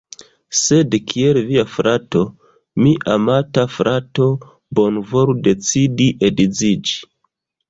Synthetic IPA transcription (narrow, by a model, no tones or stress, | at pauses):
se̞dkʰielviafɾato̞ | miʔamatafɾato̞ | bo̞nvo̞ɾude̞t͡sidiʔedid͡zid͡ʒi